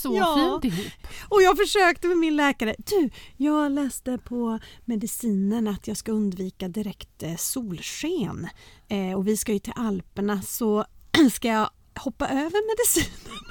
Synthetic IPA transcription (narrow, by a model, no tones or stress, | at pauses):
sɔːd̪ɪɦuːpːɔjɑːɡfœʂøːkt̪əmɛmɪnlɛːkaɾəd̪̥ʉ̟ːjɑːɡlɛːst̪əpʰɔmɛd̪ɪsiːnənat̪ʰjɑːskaɵnd̪viːkad̪ɪɾɛkt̪suːlɧeːn | ɔvɪskajɵt̪ʰɪ̰lʔalpəɳasɔskajɑ | hɔpːaʔøːvəɾmɛd̪ɪsiːnən